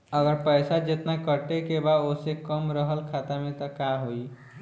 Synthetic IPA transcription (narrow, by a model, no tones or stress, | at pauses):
əɡəɾpəjsad͡ʒet̪nakəʈekebaosekəmɾəɦəlkʰat̪amet̪ɔkaɦoi